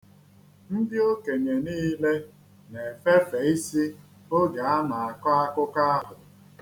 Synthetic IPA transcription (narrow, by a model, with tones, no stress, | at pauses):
n̩˦dɪ˦o˦ke˨ɲe˨niː˦le˦ | ne˨fe˦fe˨˦i˦si˦ | o˦ɡa˨a˦ma˨a˨kɔ˦a˦kʊ˦ka˦a˦ɦʊ˨